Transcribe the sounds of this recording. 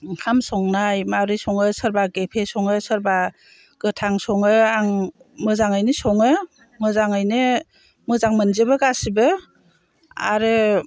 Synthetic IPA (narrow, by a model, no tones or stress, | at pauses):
kʰamsɔŋnajmawɾisɔŋɯsɯɾbaɡepʰesɔŋɯsɯɾba | ɡ̥ɯtʰaŋsɔŋɯaŋ | mɯzaŋɯjnɯsɔŋɯ | mɯzaŋɯjnɯ | mɯzaŋmɯnzɯbɯɡasibɯ | a̰ɾɯ